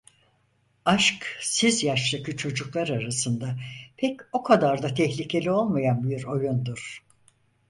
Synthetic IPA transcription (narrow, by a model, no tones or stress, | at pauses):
aʃksizjaʃlˠakʰɯt͡ʃʰo̞d͡ʒuklˠaɾaɾasɯnd̪apʰɛco̞kʰad̪aɾd̪at̪ʰɛçlʲicʰe̞lʲio̞lˠmajanbiɾo̞jund̪uɾ̥